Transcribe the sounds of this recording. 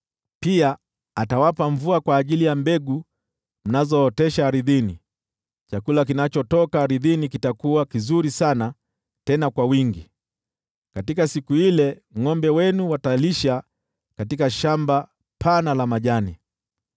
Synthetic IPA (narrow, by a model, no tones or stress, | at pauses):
pia | atawapaɱvuakwaːʄilijambɛɡu | m̩nazɔːtɛʃaːɾiðini | t͡ʃakulak̬inat͡ʃɔtɔkaːɾiðinikitakuwakizuɾisana | tɛnakwawiŋɡi | katikasikuilɛŋɔmbɛwɛnuwataliʃa | katikaʃamba | pʰanalamaʄani